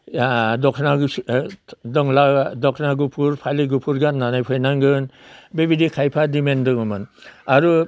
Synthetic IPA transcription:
dɔkʰnaɡ | dɯŋladɔkʰnaɡupʰuɾpʰaliɡupʰuɾɡanːanajpʰɯjnaŋɡɯnbebidikʰajpʰadimendɯŋɯmɯnaɾu

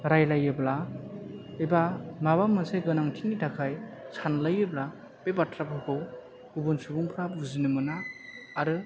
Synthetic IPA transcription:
ɾajlajɯbla | ebamaβamːɯseɡɯnaŋtʰiŋitʰakʰajsanlajɯbla | b̥ebatʰɾapʰɯkʰɯw | ubunsubuŋpʰɾabuzinɯmɯnaːɾɯ

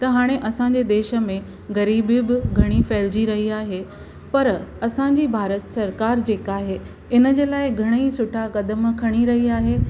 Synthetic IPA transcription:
t̪ɐɦaːɽ̃eʔɐsãɲ̆d͡ʑed̪eːʃə̆mẽ | ɣɐɾiːbbɪɡʱɐɽ̃ifɐːɪld͡ʑiɾɐɦiaːɦe | pɐɾɐsãɲd͡ʑiːbʱaːɾət̪sɐɾkaːɾd͡ʑeːkaːɦe | ɪnəd͡ʑeːlaːɪɡʱɐɽ̃eisʊʈʰakɐd̪əmkʰɐɽ̃iɾɐɦiaːɦeː

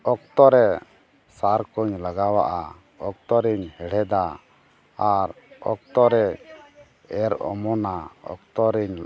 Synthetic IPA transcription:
ɔk̚t̪ɔɾɛ | saɾkɔɲlaɡawa̰ʔa̰ | ɔk̚t̪ɔɾiɲhɛɽ̤ɛd̪aː | ɾ | ɔk̚t̪ɔɾɛ | ɛɾɔ̰mɔnaɔ̰k̚t̪ɔɾiɲ

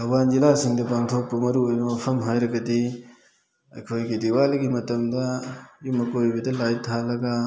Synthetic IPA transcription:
ɐband͡ʒilasiŋdɐpaŋtʰok̚pɐmɐɾuojbɐmɐpʰɐmɦajɾɐɡɐdi | ɐ̰jkʰojɡidiwaliɡimɐtɐmdɐjumɐkojbɐdɐlajtʰalɐɡɐ

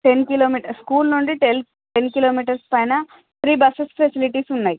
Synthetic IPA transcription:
ʈenkiloːmiːʈɐskuːlnuɳɖiʈel | ʈenkiloːmiːʈ̬ɐɾspɐjnɐ | t̪ɾiːbɐsespʰesiliʈiːsunːaːji

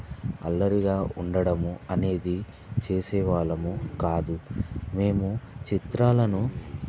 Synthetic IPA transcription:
ɐ̰lːɐɾiɡaːʔuɳɖɐɽɐmuɐne̞ːd̪i | t͡ʃe̞ːsɛːʋaːɭɐmukaːd̪ume̞ːmut͡ʃit̪ɾaːlɐnu

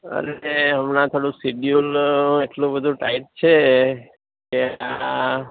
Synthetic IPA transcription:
ə̰ɾeɦəmnãt̪ʰoɽũsiɖjuleʈlũbəd̪ʱũʈaiʈ̚t͡ʃʰe | kea

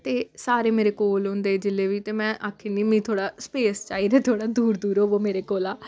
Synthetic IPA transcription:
t̪eːsaːɾeːmeːɾeːkoːlɦʊ̃nd̪eːd͡ʒɪlːeːʋiːt̪eːmɛ̃ːʔaːkʰːeːniːmĩːt̪ʰoːɽaːspeːst͡ʃaːiːɾeːt̪ʰoːɽaːd̪uːɾd̪uːɾoːʋoːmeːɾeːkoːlaː

